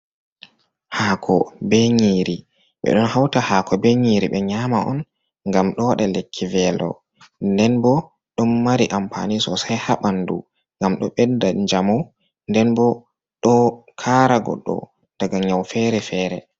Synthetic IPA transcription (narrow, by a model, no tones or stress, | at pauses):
haːkʰɔbeɲiːɾi | ɓɛ̰ɗɔnhawtahakʰɔbeɲiɾiɓɛɲamaʔɔ̰n | ŋɡamɗɔwaɗalekʰːivɛlɔ̰ | ndɛnbɔ | ɗɔmːaɾiʔampʰa̰nisɔsajhaɓandṵ | ŋɡamɗɔɓɛdaɲd͡ʒamaw | ndɛnbɔ | ɗɔkʰaːɾaɡɔ̰ɗːɔ̰ | d̥aɡaɲawfɛɾɛfɛːɾɛ